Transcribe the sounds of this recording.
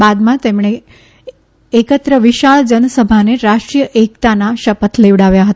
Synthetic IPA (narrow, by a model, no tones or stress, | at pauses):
bad̪mãt̪emɳ̃e | ekət̪ɾəʋiʃaɭd͡ʒənəsəbʱaneɾaʃʈɾijəʔekt̪anaʃəpət̪ʰleʋɽaʋjaɦət̪a